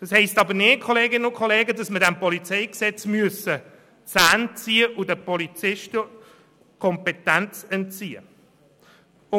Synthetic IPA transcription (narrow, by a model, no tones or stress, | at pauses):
d̥ɑshɛɪstɑbəɾneːt̚kʰɔleːɡɪnəʊkʰχɔleːɡədɑsmədɛmpɔlit͡sɛɪksɛt͡smyəsə | sæːnt͡siːəʔʊdəpɔlit͡sɪʃtə | kʰɔmpɛtænt͡sɛnt͡siːə̰ | ʊ